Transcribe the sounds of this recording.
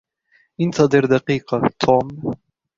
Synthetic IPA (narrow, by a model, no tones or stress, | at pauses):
ʔɪnt̪ɑðˤɨɾd̪ɑqiːqɑt̪ʰoːm